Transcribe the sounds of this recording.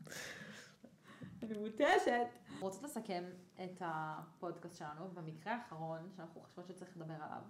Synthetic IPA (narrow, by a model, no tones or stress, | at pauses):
nemuteʃetʁot͡sotlesake̞methapo̞dkastʃelanubemikʁeaːχaʁo̞nʃeanaχuχo̥ʃvoʃet͡saʁiχled̪abe̞ʁala̰v